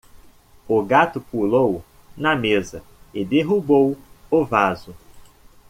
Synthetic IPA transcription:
ʊɡat̪ʊpulow | nɐmezɐɪd̪eɦubowʊvazʊ

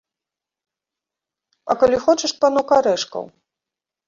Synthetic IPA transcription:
ɐ̰kalʲixɔt͡ʂɐʂpanɔkaɾɛʂkɐ̰w

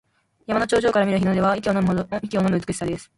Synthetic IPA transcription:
jamano̞t͡ɕoːʑo̞ːkaɾamʲiɾɯ̟çinod̪e̞βaik̬ʲonoikʲio̞no̞mɯ̟ɯt͡sɨ̥kɯ̟ɕi̥sad̪e̞sɨ̥

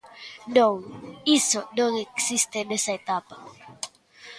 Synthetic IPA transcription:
nõŋisonõŋeksist̪enesaet̪apa

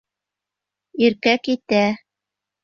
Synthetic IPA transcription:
iɾkækit̪æ

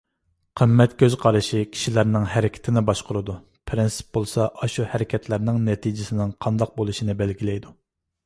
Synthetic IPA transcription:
qʰəmːɛt̪kʲʰøzqʰɑɾɨʃikʲʰi̥ʃilæɾnɪŋhɛɾɪkʲʰɪ̥t̪ʰɪnɪbɑʃqʊɾɨd̪u | pʰɾɪnsɨ̥p̚bolˠsɑʔɑʃuhɛɾɪkʲʰɛt̪ʰlæɾnɪŋnɛt̪ʰid͡ʒɪsɪnɪŋqʰɑnd̪ɑq̚bolˠuʃinɪbɛlɡʲilɛjd̪u

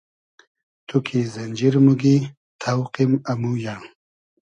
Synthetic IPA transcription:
t̪ʰukʰizɐnd͡ʑiɾmuɡi | t̪ʰawqimɐmujɐɳ

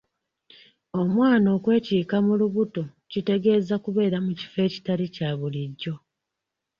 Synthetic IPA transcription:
o̞mwaːno̞ːkwe̞ːciːkamuluβuto | cite̞ɡe̞ːzakuβe̞ːɾamuci̥fe̞ːci̥taɾicaβuliɟːo̞

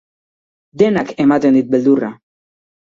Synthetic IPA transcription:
d̪enakemat̪end̪it̪̚beld̪ura

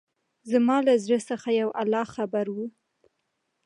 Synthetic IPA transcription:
zmɑlazɽəsəxajawʔalɑxabaɾwu

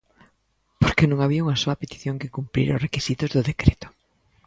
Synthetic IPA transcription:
poɾkenõŋaβiauŋɐsoɐpet̪i̥θjõŋkɪkumpɾḭɾʊ̰rekisit̪ʊzðʊðekɾet̪ʊ̥

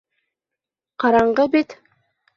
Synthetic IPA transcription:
qʰɑɾɑɴɢɤbit̪

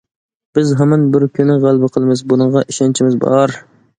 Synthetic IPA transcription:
b̥ɪzɦɑmɛnbɪɾkʲʰynɪʁælˠbɨqʰəlˠɨmɨzbunɨɴʁɑʔiʃɑnt͡ʃʰimɪzbɑ̰ɾ

